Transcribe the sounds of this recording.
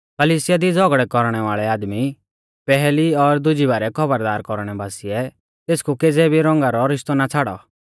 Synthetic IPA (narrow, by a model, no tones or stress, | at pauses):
kəliːsɪjad̪id͡zɔɡɽɛkɔɾɽ̃ɛʋaːɭɛaːd̪mi | pɛɦɛliɔɾd̪ʊd͡ʒibaːɾɛkʰɔbəɾd̪aːɾkɔɾɽ̃ɛbaːsiɛ | t̪eːskukeːd͡zɛbʱiɾɔ̃ŋɡaɾɔɾɪʃt̪ɔnat͡sʰaɽɔ̰